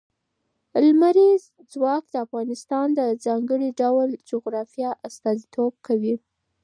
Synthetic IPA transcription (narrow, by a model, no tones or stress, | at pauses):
lmaɾiz | d͡zwɑkd̪əafɣɑnɪst̪ɑnd̪əzɑŋɡəɽiɖawld͡ʒʊɣɾɑfjɑʔast̪ɑzit̪ʰob̚kʰawi